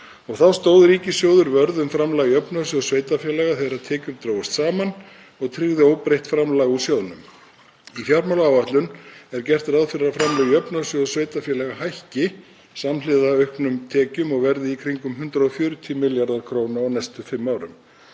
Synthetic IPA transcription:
ɔɣθawst̪oːwðʏɾiːcɪsjoːwðʏɾvœɾðʏmfɾamlaɣiœpnasjoðsveːjt̪afjɛlɛɣaθeðɾat̪ʰɛːcʏɾt̪ɾoːwast̪saːman | ɔɣt̪ʰɾɪɣðɪowpɾejht̪fɾamlaɣusjowðʏnʏm | ifjaɾmawlaːwvaht̪lʏnɛɾcɛr̥t̪ɪɾaðfɪɾɪɾafɾamlaɣiœpnasjoðsveːjt̪afjɛlɛɣahajhcɪ | samlɪðaœɥhknʏmt̪ʰɛːcʏmɔɣvɛɾðɪikʰɾiŋkʏmhʏnt̪ɾaɔfjʏːɾʏt̪ʰimɪljaɾðaɾ̥kʰɾoːwnaɔnɛjst̪ʏfɪmːaːwɾʏm

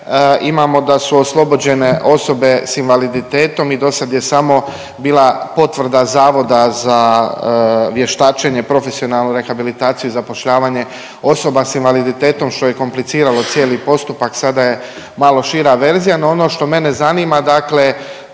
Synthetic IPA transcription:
imamo̞d̪asuoslˠo̞bo̞d͡ʑe̞ne̞ʔo̞so̞be̞sinʋalid̪it̪e̞ːt̪o̞mid̪o̞sad̪je̞samo̞ | biːlˠapo̞t̪ʋr̩d̪azaːʋo̞d̪aza | ʋje̞ʃt̪aːt͡ʃeɲe̞pɾo̞fesio̞nalˠnuɾe̞xabilit̪aːt̪sijuizapo̞ʃʎaːʋaːɲe̞ | o̞so̞basinʋalid̪it̪e̞ːt̪o̞mʃt̪o̞je̞ko̞mplit̪siːɾalo̞t̪sje̞ːlipo̞st̪upaksad̪aje̞ | malˠo̞ʃiɾaʋe̞ɾzijanoo̞no̞ʃt̪o̞me̞nezanimad̪akle

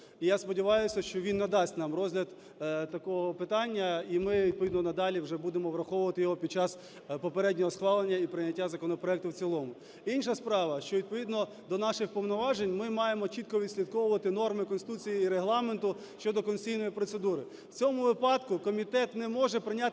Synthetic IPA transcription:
ijaspɔdʲɪʋɑjʊsʲɐʃt͡ʃɔʋʲinːɐd̪ɑsʲtʲnɑmrɔzʲɦlʲɐd̪ | t̪ɐkɔɦɔpɪt̪ɑnʲːɐimɪʋʲid̪̚pɔʋʲid̪nɔnɐd̪ɑlʲiwʒɛbud̪emɔʋɾɐxɔʋʊʋɐt̪ɪjɔɦɔpʲid̪̚t͡ʃɑs | pɔpeɾɛdʲnʲɔɦɔsxʋɑlˠenʲːɐipɾɪnʲɐtʲːazɐkɔnɔpɾɔɛk̚t̪ʊwt͡sʲilˠɔmʊ | inʃɐspɾɑʋɐʃt͡ʃɔʋʲid̪̚pɔʋʲid̪nɔ | d̪ɔnɑʃɪxpɔwnɔʋɑʒenʲmɪmɑjemɔt͡ʃit̪̚kɔʋʲid̪sʲlʲid̪̚kɔwʊʋɐt̪ɪnɔrmɪkɔnsɪt̪ut͡sʲijiːɾeɦlˠɑment̪ʊ | ʃt͡ʃɔd̪ɔkɔnʲsʲijnɔjipɾɔt̪sed̪uɾɪ | wt͡sʲɔmʊʋɪpɑd̪kʊkɔmʲit̪ɛt̪nɛmɔʒɛpɾɪnʲat̪

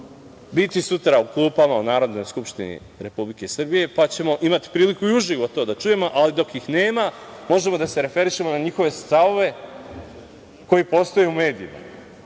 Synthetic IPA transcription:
bit̪isut̪ɾauklˠuːpamaunaːɾo̞d̪no̞jskupʃt̪inḭ | ɾe̞publike̞sr̩bije̞pat͡ɕe̞mo̞ʔimat̪i̥pɾiːlikuiuʒiʋo̞t̪o̞ːd̪at͡ʃuje̞mo̞ʔalid̪o̞kjixne̞ːmamo̞ʒe̞mo̞d̪ase̞ɾe̞fe̞ɾiʃe̞mo̞naɲixo̞ʋe̞st̪aʋo̞ʋe̞ | ko̞jipo̞st̪o̞jeume̞ːd̪iima̰

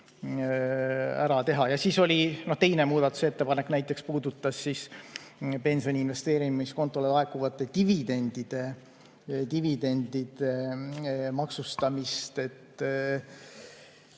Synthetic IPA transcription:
æɾɑt̪e̞ɦɑjɑsiːso̞lʲino̞ht̪e̞jne̞muːd̪̥ɑt̪ːu̥set̪ːe̞pɑnekːnæjt̪ːˑe̞kspuːd̪ut̪ːˑɑsːis | pe̞nso̞nʲinve̞st̪e̞ːɾiisko̞nt̪ːˑo̞lelɑe̞kːˑuvɑt̪ːˑe̞t̪ivid̪e̞nd̪̥id̪̥e̞ | t̪ivid̪e̞nd̪id̪̥e̞ | mɑksust̪ɑmist̪e̞t̪ːˑ

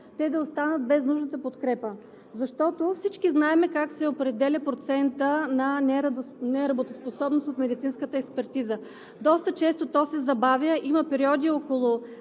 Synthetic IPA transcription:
t̪ɛd̪ɐost̪anət̪̚bɛznuʒnət̪əpot̪kɾɛpə | zɐʃt̪ɔt̪ofsit͡ʃkiznaɛmɛkaksɛopɾɛd̪ɛlʲɐpɾot̪sɛnt̪ənɐnɛɾnɛɾɐbot̪osposɔbnosot̪mɛd̪it̪sinskət̪əɛkspɛɾt̪izə | d̪ɔst̪ət͡ʃɛst̪ot̪ɔsɛzɐbavʲjəʔiməpɛɾiɔd̪iɔkolˠʊ

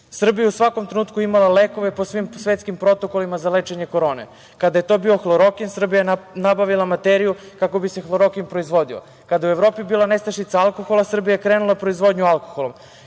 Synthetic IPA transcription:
sr̩bijeusʋakomt̪ɾenuːt̪kuimalaleko̞ʋe̞posʋimsʋet̪skimpɾo̞t̪o̞ko̞limazalet͡ʃeɲe̞ko̞ɾo̞ːnḛ | kad̪aje̞t̪o̞ːbiːo̞xlˠoɾo̞kinsr̩bijajenabaʋilˠamat̪eɾiju | kakobise̞xlˠoɾo̞kinpɾoizʋo̞d̪io̰ | kad̪ajueʋɾo̞ːpibiːlˠanest̪aʃit̪saalˠkoxo̞lasr̩bijajekɾeːnulˠapɾo̞izʋo̞d̪ɲualˠko̞̥xolˠom

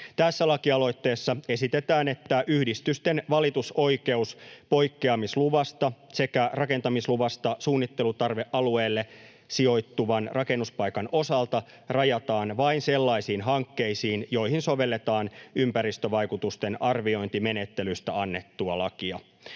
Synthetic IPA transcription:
t̪æsːælɑkiɑlo̞jt̪ːe̞ːsːɑe̞sit̪et̪æːne̞t̪ːæʔyhdist̪yst̪enʋɑlit̪uso̞jke̞uspo̞jkːeɑmisluʋɑst̪ɑse̞kærɑke̞nt̪ɑmisluʋɑst̪ɑsuːnːit̪ːe̞lut̪ɑrʋeʔɑlue̞ːlːe̞ | sio̞jt̪ːuʋɑnrɑke̞nːuspɑjkɑno̞sɑlt̪ɑ | rɑjɑt̪ɑːnʋɑinse̞lːɑisiːnɦɑŋkːe̞jsiːnjo̞ihinso̞ʋe̞lːe̞t̪ɑːnympæɾist̪øʋɑjkut̪ust̪enɑrʋio̞jnt̪ime̞net̪ːelyst̪æɑnːe̞t̪ːuɑlɑkiɑ

